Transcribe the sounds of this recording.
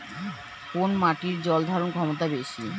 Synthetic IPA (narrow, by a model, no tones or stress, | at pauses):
konmaʈiɾd͡ʑɔld̪ʱaɾonkʰɔmot̪abeʃi